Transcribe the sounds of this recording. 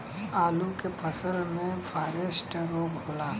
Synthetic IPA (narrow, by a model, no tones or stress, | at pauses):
aːlukepʰəsəlmẽfʰaːɾesʈɾoːɡɦoːlaː